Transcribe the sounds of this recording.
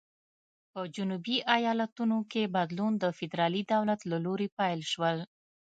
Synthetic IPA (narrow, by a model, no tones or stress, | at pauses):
pəd͡ʒunubiʔajɑlat̪unokebad̪lund̪əfɪd̪ɾɑlid̪awlat̪laloɾepajlʃwəl